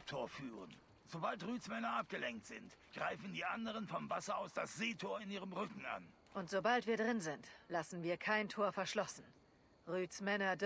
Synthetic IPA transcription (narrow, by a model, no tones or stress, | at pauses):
p̚tʰoːɐfyːʁən | z̥obaltʁyːt͡smɛnɐʔap̚ɡ̥əlɛŋk̚tz̥ɪ̰ntɡ̥ʁaɪfn̩diːʔandəʁənfɔmvasɐaʊsd̥asz̥eːtʰoːɐɪniːʁəmʁʏkŋ̩a̰n | ʔʊntz̥obaltv̥iːɐdʁɪnzɪntlasn̩viːɐkʰaɪntʰoːɐfɛɐʃlɔsn̩ | ʁyːt͡smɛnɐd